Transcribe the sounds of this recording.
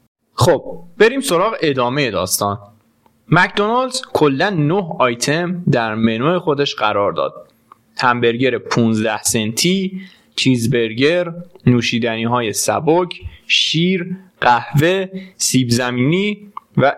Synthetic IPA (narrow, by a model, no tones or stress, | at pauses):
xob̥̚b̥e̞ɾiːmso̞ɾɒːɣeʔed̪ɒːme̞je̞d̪ɒːst̪ɒːn | mæcʰd̪o̞nɑld̪z̥kʰolːænnohɒːjt̪ʰemd̪æɾmenuːexo̞d̪eʃɢæɾɒːɾd̪ɒ̰ːd̪̥̚ | hæmbeɾɟeɾepʰuːnzd̪æhsent̪ʰiː | t͡ʃʰizbe̞ɾɟeɾnuːʃiːd̪æniːɦɒːje̞sæ̰bocʰʃiːɾɢæhve̞siːbzæmiːniːvæ